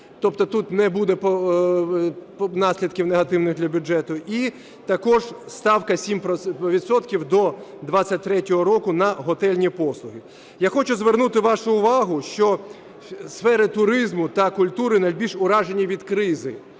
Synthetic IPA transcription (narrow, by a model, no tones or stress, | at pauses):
t̪ɔpt̪ɔt̪ut̪nɛbud̪ɛpɔ | nɑsʲlʲid̪kʲiwneɦɐt̪ɪwnɪxd̪lʲɐbʲʊd͡ʒɛt̪ʊʔi | t̪ɐkɔʒst̪ɑwkɐsʲimpɾɔʋʲid̪sɔt̪kʲiwd̪ɔd̪ʋat͡sʲːɐt̚ʲt̪ɾɛtʲɔɦɔɾɔkʊnɐɦɔt̪ɛlʲnʲipɔslˠʊɦɪ | jaxɔt͡ʃʊzʋernut̪ɪʋɑʃʊːʋɑɦʊʃt͡ʃɔ | sfɛɾɪt̪ʊɾɪzmʊt̪ɐkʊlʲt̪uɾɪnɐlʲbʲiʃʊɾɑʒenʲiʋʲid̪kɾɪzɪ